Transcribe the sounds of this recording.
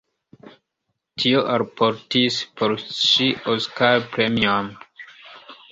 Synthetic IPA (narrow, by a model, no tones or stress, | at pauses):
tʰioʔaɾpoɾtispʰoɾʃiʔoskaɾpɾemiam